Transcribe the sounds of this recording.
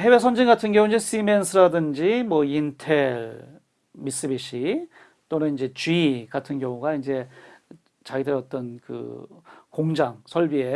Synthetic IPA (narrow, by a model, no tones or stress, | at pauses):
he̞we̞sʰʌnd͡ʑiŋɡatʰɯnɡjʌŋuind͡ʑe̞sime̞nsʰɯɾadɯnd͡ʑimwʌintʰe̞ɭ | mis͈ɯbiɕ͈ʰi | t͈onɯnind͡ʑe̞t͡ɕiɡatʰɯnɡjʌŋuɡaind͡ʑe̞ | t͡ɕaɡidɯɾiʌt͈ʌnkɯ̰koŋd͡ʑaŋsʰʌɭbie̞